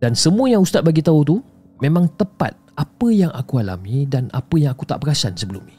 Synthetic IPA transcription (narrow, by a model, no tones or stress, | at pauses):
d̥ansəmũəjaŋust̪at̪̚baɡit̪aut̪u | mẽmãŋt̪əpa̰t̪̚apəjaŋʔakuɦala̰mĩdana̰pəjaŋakut̪a̰ʔbəɾasansəbəlumi